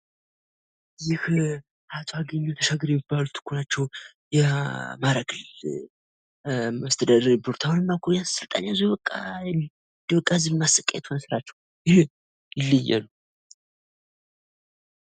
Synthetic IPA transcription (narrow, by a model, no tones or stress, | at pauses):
jɪh | hat̪ʼaɡəɲːot̪ʰəʃaɡɨɾjɛmibːalut̪ʰːɨ̥kʰːunat͡ʃːɛw | jɛmaɾaɡɨl | məst̪ʰəd̪əɾboɾt̪ʰawnɨmːakʰojasɨlt̪ʼanjazibəkʼːa | nd̪ibəkʼːazɨmasəkʼḛɛ̰t̪ʰonsɨɾat͡ʃːɛw | jɪh | jɪlːəjːɛ̰lu